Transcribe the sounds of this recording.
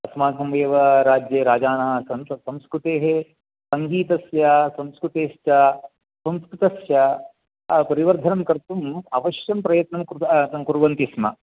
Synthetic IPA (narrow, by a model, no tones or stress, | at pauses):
ɐsmaːkɐmʋeːʋɐɾaːd͡ʒjeɾaːd͡ʒaːnɐɦɐsɐnsɐmskɾut̪eːɦe | sɐŋɡiːt̪ɐsjɐsɐmskɾut̪eːʃt͡ʃɐ | sɐ̃mskɾut̪ɐsjɐ | pɐɾiʋɐɾd̪ʱɐnɐmkɐɾt̪umɐʋɐʃjɐmpɾɐjɐt̪nɐmkɐkuɾʋɐnt̪ismɐ̰